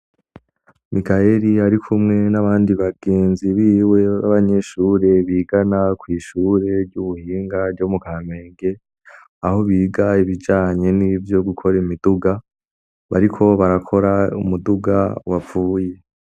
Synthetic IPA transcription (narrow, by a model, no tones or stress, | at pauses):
mikaeɾiaɾikʰumŋe̞naβaːndiβaɡe̞ːnziβiːwe̞βa̰βaɲe̞ʃuːɾe̞βiːɡanakwiːʃuːɾe̞ɾɟuβuhiːŋɡaɾɟomukaːme̞ːŋɡe̞ | aho̞βiːɡaiβid͡ʒaːɲe̞nivjo̞ɡukʰo̞ɾimiduɡa | βaɾikʰo̞βaɾakʰo̞ɾaumuduɡa̰wap͡fuːje̞